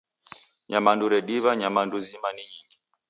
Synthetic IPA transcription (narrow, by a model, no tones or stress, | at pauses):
ɲamanduɾɛɗiβaɲamanduzimaniɲiŋɡi